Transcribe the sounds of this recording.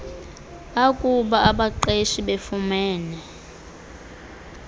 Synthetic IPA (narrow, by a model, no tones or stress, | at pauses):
akʼuɓaaɓaǃeʃiɓefumɛːnɛ